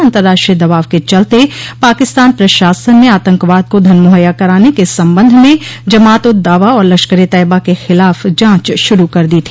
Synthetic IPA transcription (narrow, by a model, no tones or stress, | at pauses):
ɐ̃nt̪əɾːaːʃʈɾijəd̪ɐʋaːʋket͡ʃɐlt̪epaːkɪst̪aːnpɾɐʃaːsənːeaːt̪ə̃ŋkʋaːd̪̚kod̪ʱɐnmoɦəjakɐɾaːnekesɐ̃mbə̃nd̪ʱmẽd͡ʒɐmaːt̪ʊd̪aːʋaɔːɾlɐkʃkəɾit̪ɛːɪbakexɪlaːfd͡ʒãːt͡ʃʃʊɾukɐɾd̪it̪ʰi̥